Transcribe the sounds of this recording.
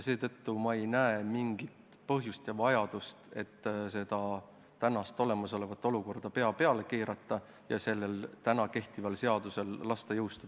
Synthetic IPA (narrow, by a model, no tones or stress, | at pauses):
se̞ːt̪ɤt̪ːumɑejnæemiŋɡ̥it̪ | pɤɦjust̪jɑvɑjɑd̪̥ust̪e̞̰t̪ːse̞d̪̥ɑ | t̪ænɑst̪o̞le̞mɑso̞le̞vɑt̪ːˑo̞luko̞rd̪̥ɑpe̞ɑpe̞ɑle̞keːɾɑt̪ːˑɑ | jɑ̰se̞lːe̞lt̪ænɑke̞ht̪ivɑlse̞ɑd̪̥use̞lːɑst̪ejɤwst̪ud̪̥ɑ